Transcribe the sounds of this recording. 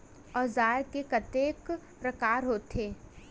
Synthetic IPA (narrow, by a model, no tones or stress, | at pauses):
ɔːzaːkekɐt̪eːk | pɾɐkaːɾɦoːt̪eː